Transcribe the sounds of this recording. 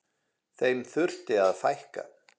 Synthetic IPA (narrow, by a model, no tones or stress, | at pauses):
θejmθʏr̥t̪ɪaðfajhka̰